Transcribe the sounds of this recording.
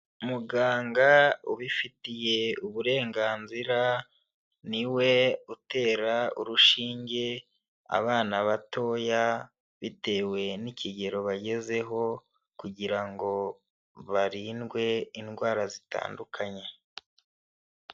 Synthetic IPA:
umuɡaːŋɡauβifitije̞uβuɾe̞ːŋɡaːnziɾa | niwe̞ute̞ːɾauɾuʃiːɲɟe̞ | a̰βaːnaβato̞ja | βite̞ːwe̞niciɟe̞ɾo̞βaɟe̞ze̞ɦo̞ | kuɟiɾaŋɡo̞ | βaɾiːnɡwe̞inɡwaːɾazita̰ːndukʰaɲe̞

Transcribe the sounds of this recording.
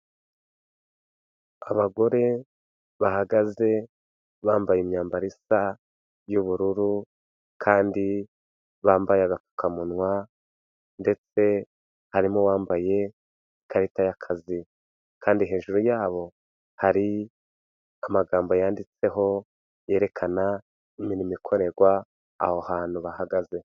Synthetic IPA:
aβaɡo̞ɾe̞ | βahaɡaze̞ | βaːmbajemɲaːmbaɾisa | juβuɾuɾu | kʰaːndi | βaːmbajeaɡafu̥kʰamunwa | nde̞t͡se̞ | haɾimowaːmbaje̞ | kaɾitajakʰazi | kʰaːndiɦe̞ːʒuɾujaːβo̞ | haɾi | amaɡaːmbo̞jaːndit͡se̞ɦo̞ | je̞ːɾe̞kʰana | iminimikʰo̞ɾe̞ɾɡwa̰ː | hohaːn̥uβahaɡaze̞

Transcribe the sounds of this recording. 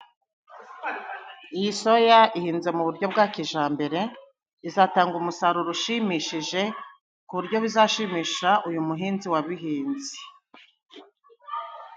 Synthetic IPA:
ijiso̞jaʔihiːnze̞muβuɾɟo̞bɡaːkiʒaːmbe̞ɾe̞ | izaːtaːŋɡumusaɾuɾuʃimiʃiʒe̞ | kuβuɾɟo̞βizaːʃimiːʃaʔujumuɦiːnziwaβiɦiːnzi

